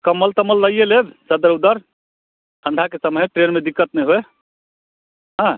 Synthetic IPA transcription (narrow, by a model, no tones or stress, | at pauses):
kəməlt̪əməlːəjelebsəd̪əɾud̪əɾ | t̪ʰə̃ɳɖ̪ʱakesəməɦʈɾenmed̪ikːət̪nɛjɦoe | ɦã